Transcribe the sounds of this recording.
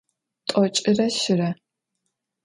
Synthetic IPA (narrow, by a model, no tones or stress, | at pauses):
tʼɔt͡ʃʼɪrɐɕɪɾɐ